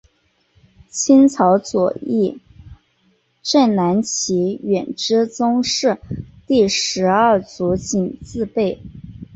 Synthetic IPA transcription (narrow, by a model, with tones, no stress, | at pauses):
t͡ɕʰi˥nt͡sʰɑ˧˥ʊt͡swɔ̰˨˩i˥˩ | ʈ͡ʂə˥˩nna˧˥nt͡ɕʰi˧˥ɥɛ˨˩nʈ͡ʂɻ̩˥t͡sʊ˥ŋʂɻ̩˥˧t̪i˥˩ʂɻ̩˧˥ə˥˩t͡su˧˥t͡ɕi˨˩nt͡sɹ̩˥˧pe˥˩ɪ